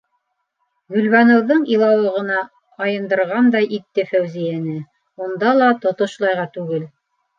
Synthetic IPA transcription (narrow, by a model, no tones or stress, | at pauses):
ɡɵ̆lβænŏwðɤɴilˠɑwɤ̆ʁɤ̆nɑː | jɤ̆nd̪ɤ̆ɾʁɑnd̪ɑjʔit̪ːɘfæwzijænɘ | und̪ɑlˠɑt̪ŏt̪ŏʃlˠɑjʁɑt̪ʉɡɘl